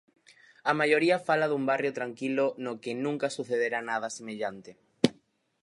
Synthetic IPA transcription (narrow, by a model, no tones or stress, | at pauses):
amajoɾiafalaðumbarjot̪ɾaŋkilonokenũŋkasuθeðeɾanað̞asemeʎant̪e